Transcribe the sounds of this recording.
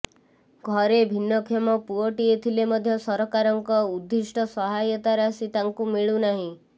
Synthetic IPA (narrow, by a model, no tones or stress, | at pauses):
ɡʱɔɾebʱinːɔkʰjɔmɔpuɔʈiet̪ʰilemɔd̪ʱjɔsɔɾɔkaɾɔŋkɔud̪ːisʈɔsɔɦajɔt̪aɾasit̪aŋkumiɭunaɦĩ